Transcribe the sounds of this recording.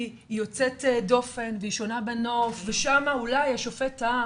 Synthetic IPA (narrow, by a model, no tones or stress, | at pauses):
ijo̞t͡setdo̞fe̞nveiʃo̞nabeno̞fveʃamaulajaʃofeta